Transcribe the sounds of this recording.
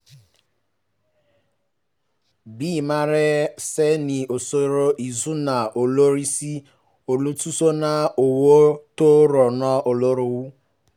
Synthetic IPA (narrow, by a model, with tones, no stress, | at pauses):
biː˦˨ma˦ɾe˦se˦ni˨o˨so˨ɾo˨ʔi˨zu˦na˨ʔo˨lo˦ɾi˦si˦ | o˨lu˦tu˦so˦na˨o˨wo˦to˦ɾɔ˨nɔ˦o˨lo˦ɾo˨wu˦